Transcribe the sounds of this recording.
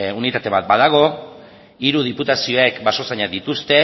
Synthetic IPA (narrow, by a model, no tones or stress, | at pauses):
unit̪at̪e̞βat̪̚baðaɣ̞o̞ | iɾuð̞iput̪asio̞ekbaso̞saɲaðit̪ust̪e̞